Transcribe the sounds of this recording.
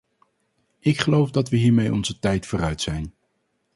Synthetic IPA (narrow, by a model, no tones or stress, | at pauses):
ɪkχəlowfdɑtʋəɦiːɹmejʔɔ̰nzətɛjtfʊːrœɥtsɛjn